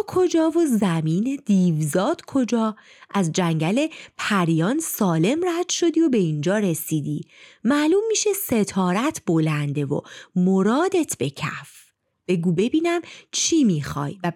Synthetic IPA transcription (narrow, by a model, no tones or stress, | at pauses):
kʰo̞d͡ʒɒːvo̞zæmiːned̪̥iːvzɒːd̪̥kʰo̞d͡ʒɒː | ʔæzd͡ʒæŋɟæle̞pʰæɾijɒːnsɒːle̞mræd̪̥ʃo̞d̪iːo̞be̞ind͡ʒɒːɾe̞siːd̪iːmæʔluːmːiːʃese̞t̪ʰɒːɾæt̪ʰb̥o̞lænd̪e̞vo̰moɾɒːd̪e̞t̪ʰbe̞cʰæ̰f | b̥e̞ɡuːbe̞biːnæmt͡ʃʰiːmiːxɒ̰ːjvæ